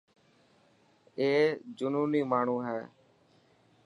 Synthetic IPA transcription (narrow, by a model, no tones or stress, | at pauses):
eːd͡ʒʊnuːniːmaːɳ̤ũːɦɛː